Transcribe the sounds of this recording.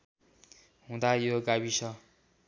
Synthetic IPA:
ɦũd̪ajoɡabisʌ

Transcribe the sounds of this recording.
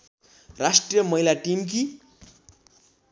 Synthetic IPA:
rasʈrijʌmʌɦilaʈimk̬i

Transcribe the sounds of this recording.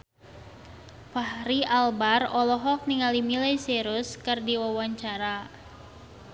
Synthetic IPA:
pahɾialbarɔlɔɦɔk̚niŋalimilajseɾʊskɨrdiwawaɲt͡ʃaɾa

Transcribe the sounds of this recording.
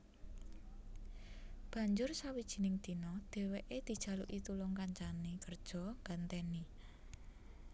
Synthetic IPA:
b̥a̤ɲd͡ʒʊrsawid̥ʒ̥i̤nɪŋd̪̥i̤nɔd̪̥e̤weʔed̪̥i̤d̥ʒ̥ä̤lṵʔit̪ulʊŋkaɲt͡ʃanikərd̥ʒ̥ɔ̤ŋɡant̪ɛni

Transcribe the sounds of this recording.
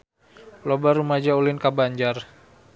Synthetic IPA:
lobarumad͡ʒaulɪnkabaɲd͡ʒar

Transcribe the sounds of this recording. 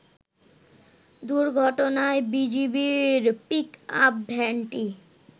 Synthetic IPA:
d̪uɾɡʱɔʈonaebid͡ʑibiɾpikap̚bʱɛɳʈi

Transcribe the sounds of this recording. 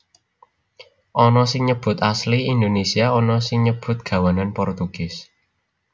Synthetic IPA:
ʔɔnɔsɪŋɲəb̥ʊ̤t̪asliind̪onesiaɔnɔsɪŋɲəb̥ʊ̤t̪̚ɡ̥a̤wananpɔrt̪uɡ̥ɪs

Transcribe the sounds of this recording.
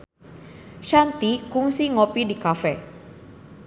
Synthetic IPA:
ʃant̪ikuŋsiŋopidikafɛ

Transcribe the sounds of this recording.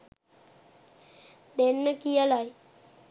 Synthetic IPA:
d̪enːəkijəlaj

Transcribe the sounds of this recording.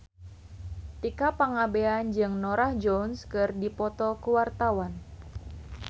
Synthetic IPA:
t̪ikapaŋabeand͡ʒɨŋnoɾahd͡ʒɔnskɨrdipɔt̪ɔkuwart̪awan

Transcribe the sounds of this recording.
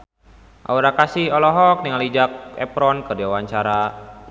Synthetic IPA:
ʔa̰uɾakasihɔlɔɦɔk̚niŋalid͡ʒak̚ɛ̰pɾɔnkɨrdiawaɲt͡ʃaɾa

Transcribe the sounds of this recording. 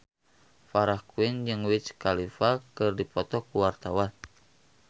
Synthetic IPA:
faɾahkuind͡ʒɨŋwit͡ʃkalifakɨrdipɔt̪ɔkuwart̪awan

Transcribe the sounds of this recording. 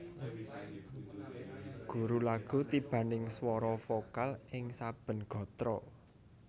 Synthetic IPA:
ɡ̥ṳɾulaɡ̥ṳt̪ib̥ä̤nɪŋswɔɾɔfokalɪŋsab̥ə̤nɡ̥ɔ̤t̪ɾɔ

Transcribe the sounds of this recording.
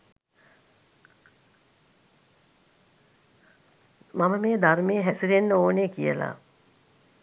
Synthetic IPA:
maməmeːd̪armeːɦæsiɾenːəoːneːkijə̰la̰ː

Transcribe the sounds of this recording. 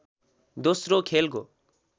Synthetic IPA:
d̪osɾokʰelko

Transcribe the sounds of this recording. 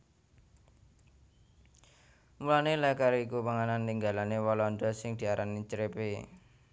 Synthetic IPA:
mulanelɛkaɾikupaŋananːiŋɡalanewɔlɔnd̪ɔsɪŋd̪̥i̤aɾʔanit͡ʃɾepe

